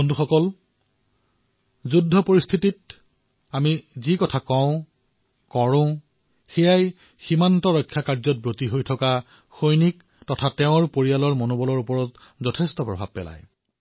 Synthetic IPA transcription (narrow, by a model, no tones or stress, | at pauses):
bonduxɔkɔl | zudʱːɔpoɹist̪ʰitit̚ | amizikɔtʰakɔ̃ʊ̃ | kɔɹʊ̃ | xɛjaj | ximantɔɹɔkʰːjakaɹzɔt̚bɹotiɦojtʰɔka | xojnik̚ | tɔtʰatɛʊ̃ɹpoɹijalɔɹmonobɔlɔɹupɔɹɔt | zɔtʰestɔpɹɔ̰bʱa̰b̚pɛ̰la̰j